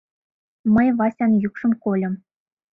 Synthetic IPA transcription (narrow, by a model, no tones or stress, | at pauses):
mɤ̆jʋɑsʲɑnjukʂɤ̆mkolʲɤ̆m